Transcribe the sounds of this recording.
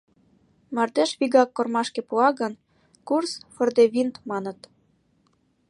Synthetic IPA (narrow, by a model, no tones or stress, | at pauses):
mɑrd̪eʃβiɣɑkːormɑʃkĕpuɑɣən | kursfŏrd̪eβint̪mɑnə̆t̪